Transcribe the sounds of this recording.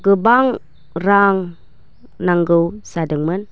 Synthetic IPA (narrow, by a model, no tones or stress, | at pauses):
ɡəbaŋ | ɾaŋ | naŋɡəwsadəŋmən